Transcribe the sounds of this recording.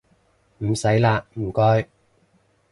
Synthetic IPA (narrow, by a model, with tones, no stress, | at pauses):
m̩˨˩sɐ˨˥jlaː˧m̩˨˩kɔː˧j